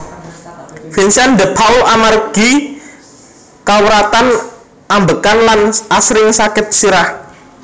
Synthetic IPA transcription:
finsand̪əpʰawʔamarɡ̥i | kawɾat̪an | ʔambəkanlanasɾɪŋsakɪt̪̚siɾah

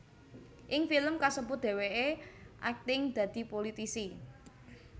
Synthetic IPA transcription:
ʔɪŋfiləmkasəbʊt̪̚d̪̥e̤weʔeʔak̚t̪ɪŋd̪̥ä̤d̪̥i̤polit̪isi

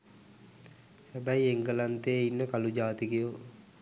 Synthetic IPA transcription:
hæbæieŋɡəlant̪eːinːəkalud͡ʒaːt̪ikiju

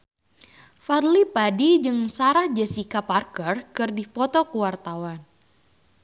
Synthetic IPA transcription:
farlipadid͡ʒɨŋsaɾahd͡ʒasikaparkərkɨrdipɔt̪ɔkəwart̪awan

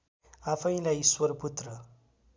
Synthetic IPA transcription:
apʰʌj̃lajiswʌɾput̪rʌ

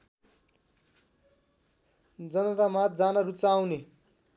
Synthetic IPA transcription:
d͡zʌnʌt̪amat̪̚d͡zanʌɾut͡sawne

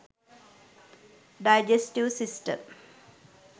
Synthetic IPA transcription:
ɖaɪd͡ʒesʈiʋsisʈə̰m

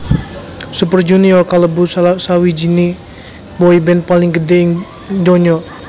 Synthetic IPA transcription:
supərd͡ʒuniɔrkaləbussawid͡ʒini | bɔibɛnpalɪŋɡədɛŋ | d͡ʒɔɲɔ

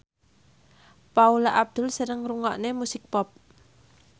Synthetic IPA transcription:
paulaʔab̚d̪̥ʊlsəɾəŋruŋɔ̰ʔnemusɪk̚pɔp̚

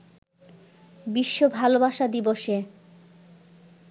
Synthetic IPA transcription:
biʃːobʱalobaʃad̪iboʃe

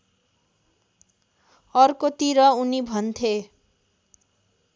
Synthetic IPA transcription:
ʌrkot̪iɾʌunibʱʌnt̪ʰe

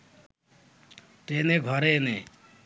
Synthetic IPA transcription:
ʈeneɡʱʌɾene

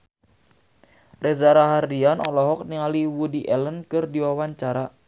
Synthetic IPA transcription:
rɛzaɾaɦardianɔ̰lɔɦɔk̚niŋaliwudiʔɛlənkɨrdiwawaɲt͡ʃaɾa

